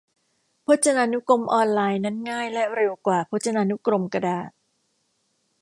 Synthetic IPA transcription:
pʰo˦˥t̪̚t͡ɕa˧naː˧nu˦˥ko˧mʔɔː˧nlaː˧jna˦˥nŋaː˥˩jlɛ˦˥ɾe˧wkwaː˨˩pʰo˦˥t̪̚t͡ɕa˧naː˧nu˦˥kɾo˧mka˧daː˨˩t̪̚

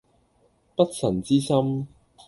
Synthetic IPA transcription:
pɐ˥t̚sɐ˨˩nt͡siː˥sɐ˥m

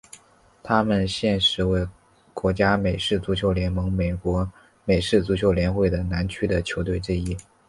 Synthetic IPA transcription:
t̪ʰa˥mə˨nɕjɛ˥˩nʂɻ̩˧˥we˥˩ɪ | kwɔ˧˥t͡ɕja˥me˨˩ɪʂɻ̩˥˩t͡su˧˥t͡ɕʰjo˧˥ʊljɛ˧˥nmɤ˧˥ŋme˨˩ɪkwɔ˧˥ | me˨˩ɪʂɻ̩˥˩t͡su˧˥t͡ɕʰjo˧˥ʊljɛ˧˥nxwe˥˩ɪd̪ə˩na˧˥nt͡ɕʰy˥d̪ə˨t͡ɕʰjo˧˥ʊt̪we˥˧ɪʈ͡ʂɻ̩˥˧i˥˩

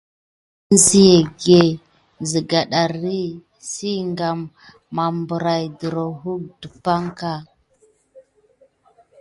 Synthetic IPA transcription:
n˦zi˦je˨ɡe˦˨ | nzə˨ɡa˨ɗa˨ɾi˦ | si˦ŋɡa˨mː | a˨mbu˨ɾa˨jdə˨ɾo˨ɦu˦k̚du˨pa˦ŋka˦˨

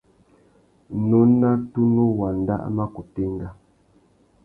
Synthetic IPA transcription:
no˨˦na˦tu˦nu˦wa˨n˨da̰˦ʔma˦ku˨te˦ŋ˦ɡa˦

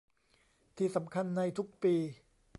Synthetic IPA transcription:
t̪ʰiː˧˩sa˩˦mkʰa˧nːa˧jt̪ʰu˦˥k̚piː˧

